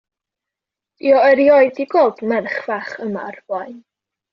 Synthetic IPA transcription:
iɔəɾjɔɨdiɡoːlˠdmɛrχv̥aχəma̰rbɔɨ

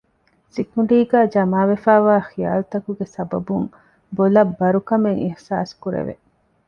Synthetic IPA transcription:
sikuɳɖiːɡæːd͡ʒɐmaːʋefaːʋaːxija̰ːlut̪ɐkuɡesɐbɐbuŋ | bolɐbːɐɾukɐmeŋihsa̰ːskuɾḛʋḛ

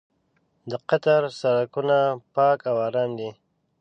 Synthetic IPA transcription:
d̪əqat̪aɾsaɾakunapɑːkawaɾɑːnd̪i

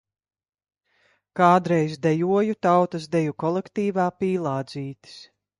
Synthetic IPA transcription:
kaːd̪ɾɛjzd̪ɛjuɔjut̪awt̪as̬d̪ɛjukɔlˠɛkt̪iːvaːpiːlˠɑːd̪ziːt̪i̥s

